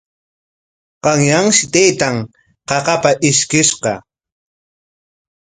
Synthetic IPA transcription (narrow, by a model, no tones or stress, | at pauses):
qɑŋjaŋʃɪt̪ajt̪aŋ | qɑqɑpaʔɪʃkɪʃqɑ